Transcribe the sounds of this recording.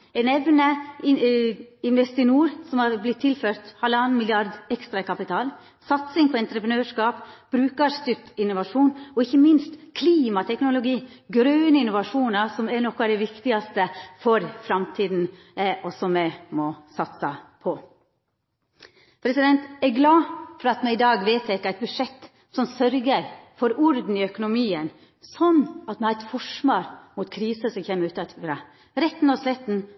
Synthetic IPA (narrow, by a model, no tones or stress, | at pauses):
ɛnɛʋnəɪ | ɪnʋɛst̪ɪnuːɾsɔmhɑɾblɪt̪ʰːɪlføːɾt̪hɑlːəɑːnənmɪljɪɑɾd̪ɛkst̪ɾɑkɑpɪt̪ʰɑːl | sɑt̪sɪŋpʰɔɛnt̪ɾəpɾənøːʂkɑːpb̥ɾʉːkɑɾst̪ʏt̪ɪnːʊʋɑʂuːnɔɪçːəmɪnst̪kʰliːmɑt̪ʰɛknʊlʊɡiː | ɡɾøːnəɪnːʊʋɑʂuːnɑsɔmɛnɔkːɑd̪ɛʋɪkt̪ɪɡɑst̪əfɔɾfɾɑmt̪ʰiːd̪n̩ | ʔɔsɔmːɛmɔsɑt̪sɑpʰɔ | pʰɾɛsɪd̪ɛnt̪ɛɾɡlɑːfɔɾɑt̪mɛɪd̪ɑːɡʋeːt̪ʰɛkːəæɪt̪̚bʉʂɛt̪ː | sɔmsœɾɡəɾfɔɾʊɾd̪n̩ɪœkʊnʊmiːən | sɔnːɑt̪mɛhɑɾɛt̪fɔʂmoːɾmʊt̪kʰɾiːsəsɔmçeːmːəɾʉːt̪ɑt̪ʰfɾɑː | ɾɛt̪ːnɔslɛt̪ːn̩